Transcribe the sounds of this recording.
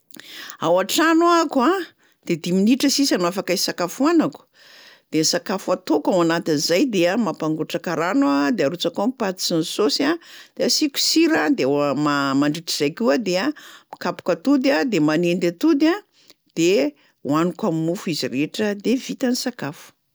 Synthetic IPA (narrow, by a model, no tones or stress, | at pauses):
awaʈ͡ʂanuakua | d̪̥ed̪iminiʈ͡ʂəsisanuafakaisakafuanaku̥ | d̪̥enisakafuat̪okawanat̪inizajd̪eamapaŋɡuʈ͡ʂakaɾanuad̪eaɾut͡sakomipat̪i̥t͡sinisosad̪̥easiku̥siɾad̪emamaɳɖ͡ʐiʈ͡ʂiz̥ajkʲuəd̪eamakapu̥kət̪ud̪ad̪emanend̪at̪ud̪a | d̪̥e | wanukaminufuiziɾeʈ͡ʂəd̪evit̪anisakafu̥